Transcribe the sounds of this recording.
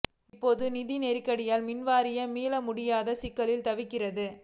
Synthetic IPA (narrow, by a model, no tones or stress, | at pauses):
ɪpːoːðɯnɪðinɛɾɪkːɐɽɪjaːlmɪnʋaːɾɪjɐmiːlɐmʊɽɪjaːðɐsɪkːɐlɪlt̪ɐʋɪkːɪrɐðɯ